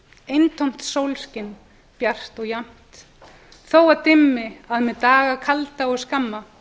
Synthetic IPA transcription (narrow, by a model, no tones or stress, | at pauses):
ejnt̪ʰowm̥t̪sowlscɪnː | pjar̥t̪ɔɣjam̥t̪ | θowaðt̪ɪmːɪaðmɛt̪aːɣakʰalt̪aɔɣskamːa